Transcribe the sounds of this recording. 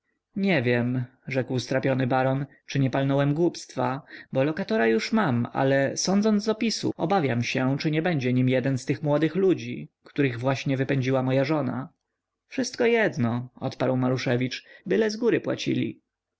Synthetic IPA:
ɲɛvʲjɛm | ʐɛkwst̪ɾapʲjɔnɘbaɾɔn | t͡ʂɘɲɛpalnɔwɛmɡwupst̪fabɔlɔkat̪ɔɾajuʂmama̰lɛsɔnd̪zɔnd̪d̪ɔpʲisṵɔbavʲjamɕɛt͡ʂɘɲɛbɛɲd͡ʑɛɲimjɛd̪ɛnst̪ɘxmwɔd̪ɘxlud͡ʑikt̪uɾɘɣvwaɕɲɛvɘpɛɲd͡ʑiwamɔjaʐɔna̰ | fʂɘst̪kɔjɛd̪nɔɔt̪paɾwmaɾuʂɛvʲit͡ʂbɘlɛzɡuɾɘpwa̰t͡ɕḭlʲḭ

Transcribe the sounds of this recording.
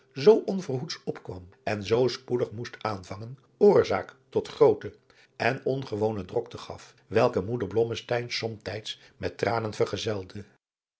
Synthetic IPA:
zowʔɔnvərɦutsɔpkʋɑ̰mɛnzowspudəχmustaːnvɑŋən | ʊːɹzaːktɔtχrowtə | ʔɛnɔnχəʋownədrɔktəχɑ̰f | ʋɛlˠkəmudəɹblɔməstɛjnsɔmtɛjts | mɛtraːnənvərχəzɛlˠdə

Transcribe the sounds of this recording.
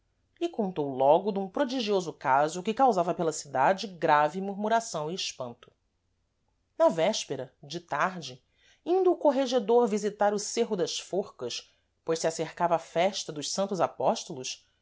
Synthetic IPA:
ʎikõnt̪owlɔɡʊd̪ũpɾod͡ʒiʒiozʊkazʊkɪkawzavɐpelɐsid̪ad͡ʒɪɡɾavimuɾmuɾasɐ̃w̃iːʃpɐ̃nt̪ʊ̥ | nɐvɛʃpeɾɐd͡ʒɪt̪aɾd͡ʒɪ | ĩnd̪uːkoɦeʒed̪oɾvizit̪aɾʊseɦʊd̪ɐʃfoχkɐʃ | pojʃsiaseɾkavɐaːfɛʃt̪ɐd̪ʊʃsɐ̃nt̪ʊzapɔʃt̪olʊʃ

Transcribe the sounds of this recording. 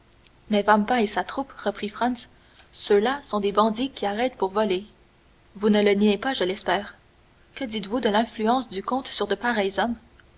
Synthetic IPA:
mɛvampaesat̪χupʁəpχifχɑ̃nsː | ølasɔ̃d̪ebɑ̃d̪ikʲiaʁɛt̪puʁvɔle | vunələniepaʒəlɛspɛːʁ | kəd̪it̪vud̪əlɛ̃flyɑ̃sd̪ykɔ̃t̪syʁd̪əpaʁɛjzɔm

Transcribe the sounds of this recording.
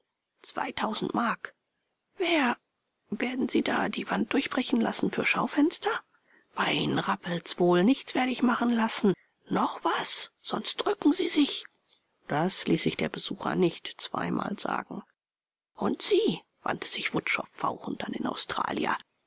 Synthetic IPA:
t͡sv̥a̰ɪtʰaʊzn̩tmaɐk | veːɐ | veːɐdn̩ziːda̰ːdiːvant̚d̥ʊɐçb̥ʁɛçn̩la̰sn̩fyːɐʃaʊfɛnstɐ | b̥aɪʔiːnənʁapl̩sv̥oːlnɪçt͡sv̥eːɐɾəɪçmaχn̩lasn̩ | nɔχv̥asz̥ɔnst̚d̥ʁʏkŋ̩ziːzɪç | d̥asliːsz̥ɪçd̥eːɐbəz̥uːxɐ̰nɪçtt͡sv̥a̰ɪmʔa̰ːlza̰ːɡŋ̩ | ʔʊntz̥iː | v̥a̰ntʰə̥z̥ɪçv̥ʊtʃɔ̰fːa̰ʊxn̩tanɪna̰ʊstʁ̥a̰ːlija̰

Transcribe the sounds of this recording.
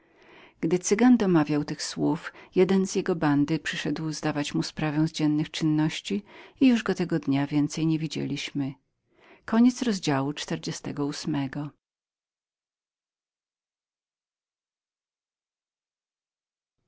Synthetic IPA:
ɡ̥d̪ɘt̪sɘɡand̪ɔmavʲjawt̪ɘxswufjɛd̪ɛnzʲjɛɡɔband̪ɘpʂɘʂɛd̪wzd̪avat͡ɕmuspɾavɛw̃zd͡ʑɛnːɘxt͡ʂɘnːɔɕt͡ɕiijuʐɡɔt̪ɛɡɔd̪ɲavʲjɛnt̪sɛjɲevʲid͡ʑḛlʲiɕmɘ | kɔɲɛt̪sɾɔzd͡ʑawut͡ʂt̪ɛɾd͡ʑɛst̪ɛ̰ɡɔusmɛɡɔ

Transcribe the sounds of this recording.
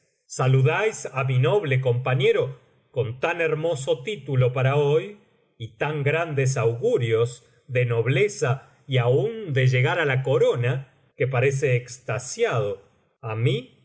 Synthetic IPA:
saluðajsamino̞β̞lek̬o̞mpaɲeɾo̞ | ko̞nt̪aneɾmo̞so̞t̪it̪ulo̞paɾaoj | it̪aŋɡɾand̪es̬awɣuɾjo̞z | ðeno̞β̞le̞sa | iaund̪eʒe̞ɣaɾalako̞ɾo̞na | kepaɾe̞s̬eːkst̪asjað̞o | ami

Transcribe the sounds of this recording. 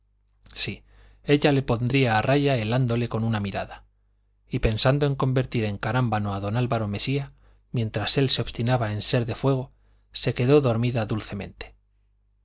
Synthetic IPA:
si | e̞ʎale̞po̞nd̪ɾiaːrʔaʝae̞land̪o̞le̞ko̞nunamiɾa̰ða | ipe̞nsand̪o̞e̞ŋko̞mbe̞ɾt̪iɾe̞ŋkaɾambanoaðo̞nalβaɾo̞me̞sia | mjẽ̞nt̪ɾase̞lseo̞βst̪inaβae̞nse̞ɾðe̞fwe̞ɣ̞o̞ | se̞ke̞ðo̞ðo̞ɾmiðaðulθe̞mẽ̞̰nt̪e̥

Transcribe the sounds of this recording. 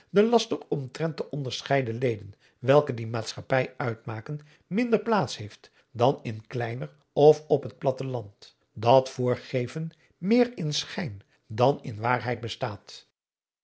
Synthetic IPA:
dəlɑstəɔmtrɛnt̚dəʔɔndəɹsχɛjdəlejdən | ʋɛlˠkədimaːtsχɑpɛjœɥtmaːkən | mɪndəɹplaːtshejft | dɑnɪnklɛjnər | ɔfɔpɦət̚plɑtəlɑnt | dɑtfʊːɹχejvən | mɪːrɪnsχɛjn | dɑnɪ̰nʋaːɹɦɛjt̚bəstaːt

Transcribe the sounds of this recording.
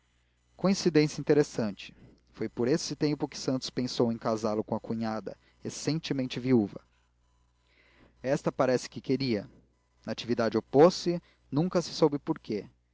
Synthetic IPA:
kõĩsid̪ẽsjɐĩnt̪eɾesɐ̃nt͡ʃɪ̥ | fojpoɾesɪt̪ẽmpʊkɪ̥sɐ̃nt̪ʊ̥spẽsowẽkazalʊkõɐkuɲad̪ɐ̰ | esẽnt͡ʃɪmẽnt͡ʃɪviuvɐ | ɛst̪ɐpaɾɛsɪ̥kɪkeɾiɐ | nɐat͡ʃivid̪ad͡ʒɪoposɪ | nũŋkɐsɪ̥sobɪpoɾke

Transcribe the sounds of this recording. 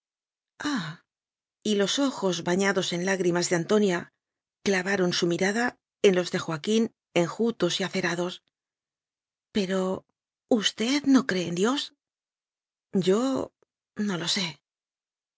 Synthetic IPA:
a | ilo̞so̞xo̞zβaɲaðo̞se̞nlaɣɾimazðeant̪o̞nja | klaβaɾo̞nsumiɾaða | e̞nlo̞zðe̞xwakin | e̞ŋxut̪o̞siaθe̞ɾaðo̞s | pe̞ɾo̞ | ust̪e̞ðno̞kɾe̞ːnd̪jo̞s | ɟ͡ʝo̞ | no̞lo̞se̞

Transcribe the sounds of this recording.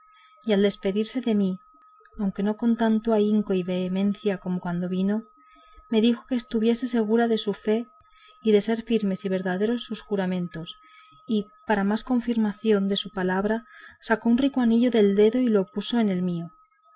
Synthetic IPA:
iald̪e̞spe̞ðiɾse̞ðe̞mi | awŋke̞no̞ko̞nt̪ant̪oaiŋko̞iβe̞ːmẽ̞n̟θjako̞mokwand̪o̞β̞ino̞ | me̞ðixo̞ke̞ːst̪uβje̞se̞s̬e̞ɣ̞uɾaðe̞sufe̞ | iðe̞se̞ɾfiɾme̞siβ̞e̞ɾðaðe̞ɾo̞sːusxuɾamẽ̞nt̪o̞s | i | paɾamasko̞ɱfiɾmaθjo̞nd̪e̞supalaβ̞ɾasako̞unrikoaniʎo̞ðe̞ld̪e̞ðo̞ilo̞puso̞e̞ne̞lmio

